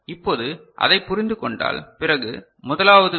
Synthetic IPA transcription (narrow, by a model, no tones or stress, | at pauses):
ɪpːoːðɯʔɐ̰ðɐɪpːʊɾɪnd̪ɯkɔɳɖa̰ːlpɪrɐɣɯ̰ | mʊðɐlaːʋɐðɯ